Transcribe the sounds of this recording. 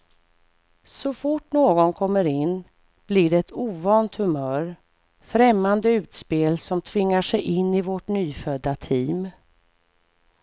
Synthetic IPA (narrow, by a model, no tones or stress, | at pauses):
sɔfʊʈnoːɡɔnkʰɔmːəɾɪnː | b̥liɖɛɛt̪uːvɑːnt̪hɵmœːɾ | fɾɛmːand̪əʉ̟ːt̪speːlsɔmt̪ʰvɪŋːaʂɛjʔɪnːɪvɔʈnyːfœd̪ːat̪ʰiːm